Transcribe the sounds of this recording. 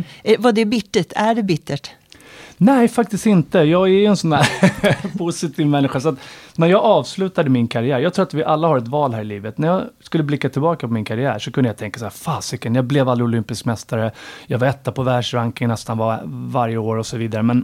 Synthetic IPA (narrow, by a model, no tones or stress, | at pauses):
vɑd̪ɛbɪʈ̪ːəʈʰæɖɛbɪt̪ːəʈ | nɛjfak̚t̪ɪst̪ɪnt̪əjɑːɡæɾjɵɛnsɔnd̪æːɾpʰʊsɪt̪ʰiːvmɛnːɪɧasɔat̪næɾjɑːɡɑːvslʉ̟ːt̪ad̪əmɪnkʰaɾɪjæːɾjɑɡt̪ʰɾuːɾat̪vɪʔalːahaɾɛt̪vɑːlɦæːɾɪliːvət̪næjɑːskɵlːəblɪkːat̪ʰɪlbɑːkapɔmɪnkʰaɾɪæ̰ːʂɔkʰɵnd̪jat̪ʰɛŋkasaæːfaːsɪkənjɑːblɛvald̪ɾɪʊlʏmpɪskmɛst̪aɾəjɑːɡvaɾɛt̪ːapʰɔvæːʂɾaŋkɪŋnɛst̪anvavaɾjəoːɾɔsɔviːd̪aɾəmɛn